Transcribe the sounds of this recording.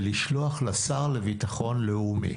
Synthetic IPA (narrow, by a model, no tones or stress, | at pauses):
liʃloaχlasaʁlevitaχo̞nleumḭ